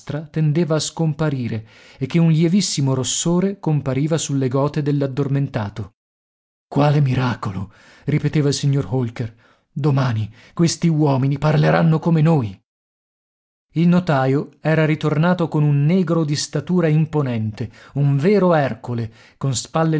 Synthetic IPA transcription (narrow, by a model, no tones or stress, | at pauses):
st̪ɾat̪end̪eːvaːskompaɾiːɾeː | kːeunljevisːimoɾosːoːɾekompaɾiːvasulːeɡɔːt̪ed̪elːad̪ːorment̪aːt̪o | kwaːlemiɾaːkolo | ripet̪eːvailsiɲːorɦolker | d̪omaːni | kwest̪iwɔːminiparleɾanːokomenoːj | ilnot̪aːjoɛːɾaɾit̪ornaːt̪okonunːɛːɡɾod̪ist̪at̪uːɾaimponɛnt̪euɱvɛːɾoɛrkole | konspalːe